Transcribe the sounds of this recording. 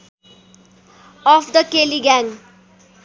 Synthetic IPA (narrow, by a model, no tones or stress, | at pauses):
ɔfd̪əkeliɡaŋ